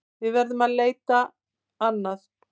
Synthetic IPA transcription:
vɪðvɛɾðʏmaðleːjt̪a | anːaθ

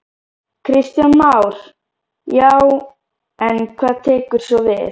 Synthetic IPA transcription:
kʰɾɪst̪janmawɾ̥ | jaw | ɛnkʰvaːðt̪ʰeːkʏɾ̥sɔvɪ̰θ

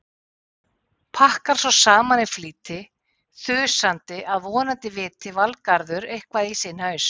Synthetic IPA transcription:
pʰahkaɾ̥sɔsaːmanɪfliːt̪ɪ | θʏ̥sant̪ɪʔaðvɔːnant̪ɪvɪːt̪ɪvalkaɾðʏɾejhkvaðisɪnhœɥs

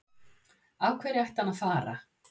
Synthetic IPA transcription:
aːwkʰvɛːɾɪajht̪anaðfaːɾa̰

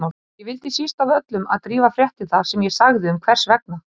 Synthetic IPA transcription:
a | jɛvɪlt̪ɪsist̪avœt̪lʏma̰ðt̪ɾiːvafɾjɛht̪ɪθḁsɛmjɛsaɣðɪʏmkʰvɛr̥svɛk̚na

